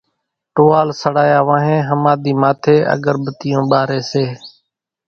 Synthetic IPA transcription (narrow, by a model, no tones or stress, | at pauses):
ʈoːaːlsəɽaːjaːʋãːɦẽːɦəmaːd̪iːmaːt̪ʰeːʔə̰ɡəɾbət̪ɪjõːɓaːɾeːseː